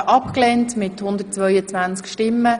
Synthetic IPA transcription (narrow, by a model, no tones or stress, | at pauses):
ʔɑpklɛntmɪthʊnd̪ərtt͡svœʏət͡svant͡skʃtɪmːə